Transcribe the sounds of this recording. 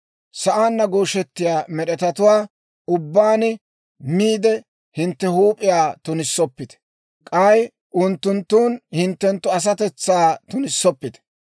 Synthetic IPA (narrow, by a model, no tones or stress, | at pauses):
sɐʔaːnːɐɡoːʃɛt̪ːɪjaːmɛɗɛt̪ɐt̪ʊwaː | ʊbːaːnɪ | miːd̪ɛ | hɪnt̪ːɛhuːpʼɪjaːt̪ʊnɪsːɔpːɪt̪ɛ̥ | kʼɐj | ʔʊnt̪ːʊnt̪ːuːnhɪnt̪ːɛnt̪ːʊɐs̬ɐt̪ɛt͡sːaːt̪ʊnɪsːɔpːɪt̪ɛ̥